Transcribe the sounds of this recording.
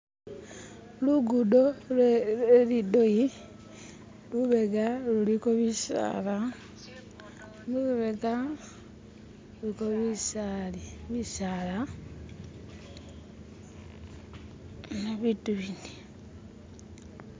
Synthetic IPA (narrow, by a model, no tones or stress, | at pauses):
luɡudoleelidoji | luβeɡalulikoβisa̰ɾa | muβuβeɡa | ulikoβisaliβisala | naβituβini̥